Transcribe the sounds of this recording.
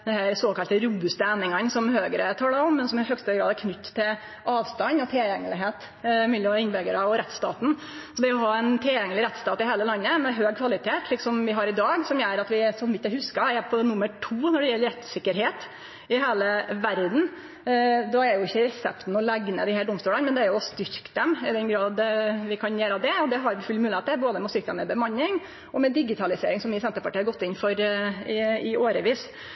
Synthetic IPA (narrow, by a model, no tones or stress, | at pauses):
d̪ɛnhæɾsoːkɑlt̪əɾuːbʉst̪əæːnɪŋɑnsɔmhøːɡəɾət̪ʰɑːləɾɔmːɛnsɔmɛhœɡst̪əɡɾɑːd̪ækʰnʏt̪ːt̪ʰːɪl | ʔɑːʋst̪ɑnːɔt̪ʰɪljɛŋːəlɪɦeːt̪ | mʉlɔɪnːbɛɡəɾəɔɾɛt̪ːst̪ɑːt̪n̩ | sɔd̪ɛɔɦɑːɛnt̪ʰɪljɛŋəlɪɾɛt̪st̪ɑːt̪ɪhæɪləlɑnːəmɛɦøːɡ̚kʰʋɑlɪt̪ʰeːt̪lɪksɔmʋɪɦɑɾɪd̪ɑːɡsɔmjæɾɑt̪ʋɪsɔnʋɪt̪ːjæhʉskɑɛpʰɔnʊmːəʈʰuːnɔɖɛjɛlːəɾɛt̪sɪkːəɾɦeːt̪ | ɪɦeːləʋæɾd̪n̩ | d̪ɔæɛɾjʊɪçːəɾɛsɛ̰pt̪n̩ɔlɛɡnə̰d̪ɪːhæːɖʊmst̪uːlənmɛnd̪ɛæɾjʊʊst̪ʏɾkd̪ɛmɪd̪ɛnɡɾɑːd̪ʋɪkʰɑnjeːɾɑʋd̪ɛɔd̪ɛɦɑɾbfʉlɪmʉːɪeːt̪ɛboːd̪əmɛst̪ʏɾkt̪d̪ə̰mɛbəmɑnːɪŋ | ʔɔmɛd̪ɪɡɪt̪ʰɑlɪsḛːɾɪŋsɔmɪːsɛnt̪əɾpɑʈiːɑɾɡɔt̪ːɪnfɔɾɪɪʔoːɾəʋiːs